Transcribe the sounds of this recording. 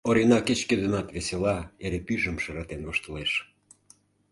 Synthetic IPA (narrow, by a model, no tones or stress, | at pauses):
oɾinɑket͡ɕked̪ənɑt̪βeselɑeɾepyʒə̆mʃɤɾɑt̪envoʃt̪əleʃ